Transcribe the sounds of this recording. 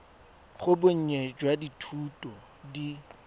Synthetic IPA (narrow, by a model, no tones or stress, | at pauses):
χʊbʊɲ̩ɲed͡ʒwaditʰuːtʼɔ | di